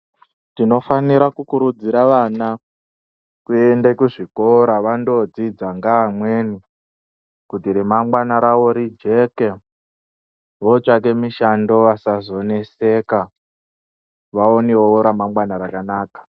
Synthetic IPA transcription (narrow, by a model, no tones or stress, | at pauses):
tino̞faniɾakukuɾud͡ziɾaʋana | kuendekuʐiko̞ɾaʋando̞d͡zid͡zaŋɡaːmwe̞ni | kutiɾimamwanaɾawo̞ɾid͡ʒe̞ke | ʋot͡ʃak̬e̞miʃando̞ʋasazo̞ne̞se̞ːka | ʋaoneooɾamamwanaɾakanaːkḁ